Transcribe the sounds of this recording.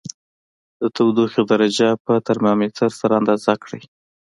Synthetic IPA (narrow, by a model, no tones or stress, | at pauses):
d̪ət̪awd̪oxod̪aɾad͡ʒapət̪aɾmɑmet̪ʰaɾsaɾaɑnd̪ɑzakɽəj